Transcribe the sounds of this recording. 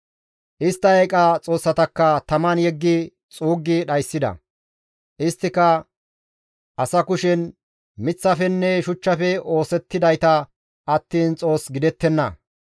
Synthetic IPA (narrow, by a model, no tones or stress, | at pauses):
ʔɪst̪ːɐɐjkʼɐt͡sʼo̞ːsːɐt̪ɐkːɐt̪ɐmɐnjɛɡːɪ | t͡sʼuːɡːɪɗɐjsːɪd̪ɐ̰ | ʔɪst̪ːɪkɐ | ʔɐsɐkʊʃɛn | mɪt͡sːɐfɛnːɛʃʊt͡ʃːɐfɛo̞ːsɛt̪ːɪd̪ɐjt̪ɐ | ʔɐt̪ːiːnt͡sʼo̞ːsɡɪd̪ɛt̪ːɛnːɐ̰